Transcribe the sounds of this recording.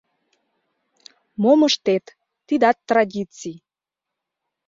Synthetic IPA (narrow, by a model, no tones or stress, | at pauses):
moməʃt̪et̪ː | id̪ɑt̪ːradʲit͡sij